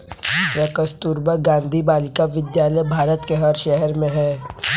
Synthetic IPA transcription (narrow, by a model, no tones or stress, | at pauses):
jakəst̪uːɾbəɡãːnd̪ʱibaːlɪkaʋɪd̪jaːləjbʱaːɾət̪keɦɐɾʃɛɦɛɾmẽɦɛː